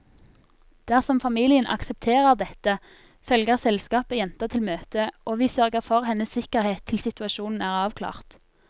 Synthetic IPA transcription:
d̪̥æːʁsɔmfɑmiːlɪənʔɑ̰ksɛp̚t̪ʰeːʁəʁd̪ɛt̪ə | fœlɡəʁsɛlskɑːpəjɛnt̪ət̪ʰɪlmøːt̪əʔoːʋiːsœʁɡəʁfɔʁhɛnːəssɪkəʁheːt̪ʰːɪlsɪt̪ʉɑʃuːnn̩æːʁɑːʋkʰlɑ̰ːʁt̪

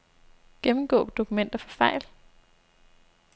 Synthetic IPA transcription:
ɡ̥emm̩ɡ̥ɔ̰ːd̥o̝kʰumen̰d̥ɐfɒ̽fɑ̈ɪ̰l

